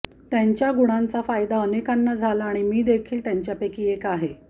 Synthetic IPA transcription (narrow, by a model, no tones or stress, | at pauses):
t̪jaɲt͡ɕjaɡuɽ̃ant͡safajd̪aənekanːad͡zʱalaːɽ̃imiːd̪ekʰiːlt̪jaɲt͡ɕjapekiːekaɦe